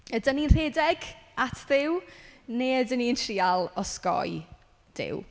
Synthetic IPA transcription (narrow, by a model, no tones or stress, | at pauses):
ədəninr̥eːdɛɡatʰðɪwneːdəniːntʰriːalˠɔskɔ̰j | d̥ɪ̰w